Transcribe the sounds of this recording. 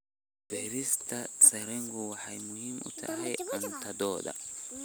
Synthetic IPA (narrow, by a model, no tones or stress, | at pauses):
b̥ɛːɾɪst̪ʰɐsɐɾɛŋɡʊwɑħɑjmʊhiːmʔʊ̰t̪ʰɐ̰ɦɛjʔɐnt̪ʰɐd̪ɔːd̪ɐ̰